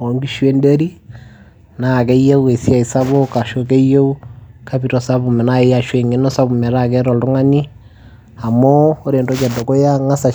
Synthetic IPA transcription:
o˨ŋɡi˦ʃwe˦nde˦ɾi˦ | na˨kɛ˦je˦u˦e˨sia˨i˨sa˦βo˦ka˨ʃo˦k̬e˦je˦u˦kʰa˦pi˨ɾɔ˨sa˦βu˨mɛ˨na˦e˦ja˨ʃwe˨ŋe˦nɔ˦sa˦βu˨mɛ˨ɾa˦kɛ˦ɾɔ˨ltʊ˦ŋa˦ni˦ | a˨mo˦o˦ɾe˨ndo˦t͡ʃɛ˨ndo˨ko˦ja˦ŋa˦sa˨

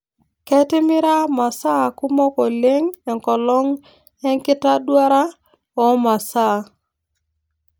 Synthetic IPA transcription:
kɛ˦tɪ˦mɪ˦ɾa˦ma˨sa˦˨ku˦mɔ˦kɔ˨le˦ŋɛ˨ŋkɔ˨lɔ˦ŋ | ɛ˦ŋkɪ˦ta˦dwa˦ɾa˦ | ɔ˨ma˨sa˦˨

